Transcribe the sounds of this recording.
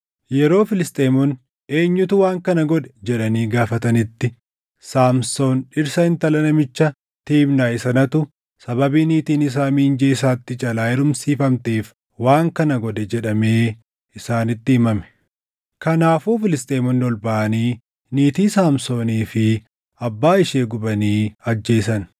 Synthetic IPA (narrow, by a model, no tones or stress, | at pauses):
jɛɾo̞ːfɪlɪst̪ʼeːmɔn | e̞ːɲːʊt̪ʊwaːŋkɐnɐɡɔd̪ɛ̥d͡ʒɛᶑɐniːɡaːfɐt̪ɐnɪt̪ːɪ | saːmso̞ːnᶑɪɾsɐhɪnt̪ɐlɐnɐmɪt͡ʃːɐ | t̪iːbnaːɪsɐnɐt̪ʊ | sɐbɐbiːniːt̪iːnɪs̬aːmiːnd͡ʒeːɪs̬aːt̪ːɪt͡ʃʼɐlaːjɛɾʊmsiːfɐmt̪eːf | waːŋkɐnɐɡɔd̪ɛd͡ʒɛᶑɐme̞ː | ɪsaːnɪt̪ːɪɪmɐmɛ̥ | kɐnaːfuːfɪlɪst̪ʼeːmɔnːɪɔlbɐʔɐniː | niːt̪iːsaːmso̞ːniːfɪ | ɐbːaːɪʃe̞ːɡʊbɐniːɐd͡ʒːe̞ːsɐn